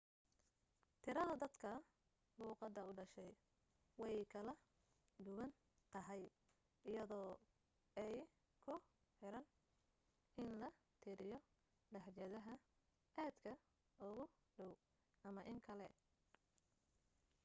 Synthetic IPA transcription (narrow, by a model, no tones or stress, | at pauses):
t̪ʰɪɾɐðɐd̪ɐd̪kʰɐ | luːqɑd̪ɐʊɖɐʃɛj | wɑkʰɐlɐ | d̪ʊwɐn | t̪ɐɦɛj | ɪjɐðɔː | ɛj | kʰʊ | ħɪɾɐn | ʔɪnlɐ | t̪ʰɪɾɪjɔ | ɖɐħjɐðɐɦɐ | ʔaːd̪kʰɐ | ʊɣʊ | ɖɔw | ʔɐmɐʔɪŋkʰɐlɛ